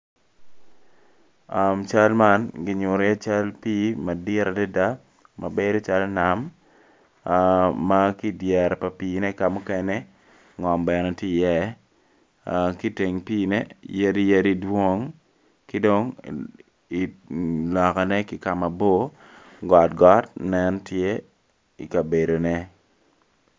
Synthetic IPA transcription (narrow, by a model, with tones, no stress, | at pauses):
a˨mt͡ʃa˦lma˦nɡɪ˨˦ɲʊ˨ɾja˦t͡ʃa˦lpi˦ma˨dɪ˦ɾa˨dɛ˦da˦ | ma̰˨be˦do˦t͡ʃa˦lna˨m | a˦ki˦djɛ˨ɾɛ˨pa˨piː˨nɛ˦ka˨mu˦ke˦ne˦ | ŋɔ˨mbɛ˨nɛ˨ti˦˨jɛ˦ | ki˦te˨ŋpiː˦nɛ˦ja˦di˦je˦di˦dwo˦ŋ | kɪ˦do˦ŋ | i˨lɔ˨kɔ˨nɛ˦ki˦ka˨ma˨bo˦ | ɡɔ˨t̚ɡɔ˦t̚nɛ˦ntje˦ | i˨ka˨be˨do˨nɛ˦